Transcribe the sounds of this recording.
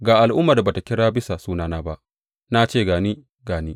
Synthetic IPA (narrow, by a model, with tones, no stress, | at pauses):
ɡaː˨ʔa˨lʔʊ˦mːaː˨da˨ba˨ta˨kʲɪ˦ɽaː˦bɪ˦sa˨suː˦naː˦naː˦ba˦ʔ | na˦t͡ʃeː˦˨ɡaː˨niː˦ | ɡaː˨niː˦